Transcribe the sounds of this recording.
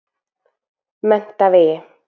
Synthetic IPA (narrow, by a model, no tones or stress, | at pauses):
mɛnt̪aveː